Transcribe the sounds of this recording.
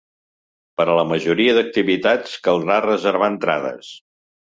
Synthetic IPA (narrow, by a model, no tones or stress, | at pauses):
pəɾələməʒuɾiəðək̚t̪iβit̪at͡skəlˠd̪ɾarəzəɾβ̞aənt̪ɾa̰ðə̰s